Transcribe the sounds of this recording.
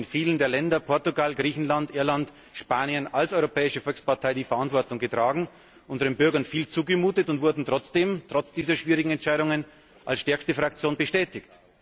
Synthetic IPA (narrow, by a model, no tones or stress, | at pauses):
ɪnfiːləndeːɐlɛndɐpʰɔɐtʊɡalɡʁiːçn̩landʔɪɐlant | ʃpaːnjənalsɔʏʁopʰɛːɪʃəfɔlkspaɐtʰaɪdiːfɐʔantv̥ɔɐtʊŋɡətʁ̥aːɡŋ̩ | ʔʊnzəʁənbʏɐɡɐnfiːlt͡suːɡəmuːtətʊntvʊɐdn̩tʁ̥ɔt͡sd̥eːmtʁ̥ɔt͡sd̥iːzɐʃv̥iːʁɪɡŋ̩ɛntt͡ʃaɪɾʊŋən | ʔalsʃtɛɐkstəfʁakt͡sjoːnbəʃtɛːtɪçt